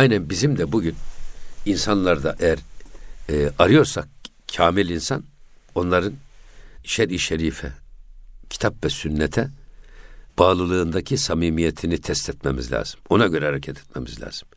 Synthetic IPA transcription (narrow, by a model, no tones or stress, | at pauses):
ajnænbizimd̪ɛbuɟyninsanlˠaɾd̪aʔejæɾː | aɾɯjo̞ɾsak | cʰaːmilʲinsan | o̞nlˠaɾɯniʃɛɾiʃeɾiːfɛ̰ | cʰi̥t̪ʰapvɛsynːɛt̪ʰɛ | b̥aːlˠɯlˠɯːnd̪acʰisamiːmijet̪ʰinit̪ʰɛst̪ʰɛt̪memizlʲa̰ːz̥ɯ̥mo̞naɟø̞ɾɛhaɾecʰat̪ʰɛ̥t̪̚mḛmizlʲa̰ːz̥ɯm